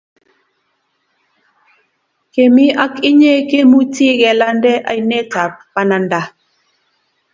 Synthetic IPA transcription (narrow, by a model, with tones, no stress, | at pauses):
ke˨mi˦ʔa˦ki˦ɲe˦ke˦mu˦ti˦ɡɛ˨la˦ndɛ˦ʔa̰˨jne˦ta˨pa˦na˨nda˨˦